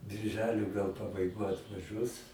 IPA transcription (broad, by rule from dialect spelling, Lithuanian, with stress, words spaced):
bʲɪrʲˈʒʲæːlʲoː ɡɐlˠ pɐbɐɪˈɡoːj ɐtʋɐˈʒʲuɔs